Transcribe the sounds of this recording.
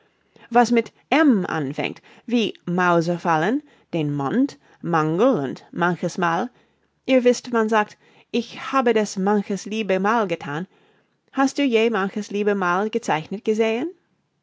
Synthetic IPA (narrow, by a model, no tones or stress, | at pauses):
vasmɪt | ʔɛmʔa̰nfɛ̰̃ŋ̚t | viːmaʊzəfalən | d̥eːnmɔnt | maŋɡl̩ʊntmançəsmaːl | ʔiːɐvɪstmanzaːk̚t | ʔɪçhaːbədasmançəsliːbəmaːlɡətʰaːn | hast̚d̥uːjeːmançəsliːbəmaːlɡət͡saɪçnət̚ɡ̥əzeːən